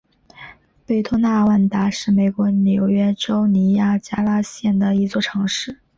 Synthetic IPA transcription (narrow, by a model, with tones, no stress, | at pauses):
pe˥˩ɪt̪ʰɔ˥na˥˧wa˥˩nt̪a˧˥ʂɻ̩˥˩me˨˩ɪkwɔ˧˥njo˧˥ʊɥɛ˥ʈ͡ʂo˥ʊni˧˥ja˥˩t͡ɕja˥la˥ɕjɛ˥˩nd̪ə˩i˧˥t͡swɔ˥˩ʈ͡ʂʰɤ˧˥ŋʂɻ̩˥˩